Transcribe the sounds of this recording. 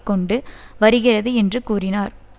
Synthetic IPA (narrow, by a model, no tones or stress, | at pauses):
kːɔɳɖɯʋɐɾɯɣɪrɐðɯɛndrɯkuːrɪnaːɾ